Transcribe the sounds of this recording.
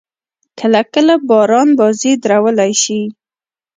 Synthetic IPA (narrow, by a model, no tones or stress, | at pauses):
kʰəlakəlabɑɾɑnbɑzid̪ɾawəlajʃi